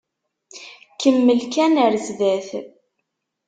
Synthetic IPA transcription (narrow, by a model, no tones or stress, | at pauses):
kəmːəlkænəɾzðæθ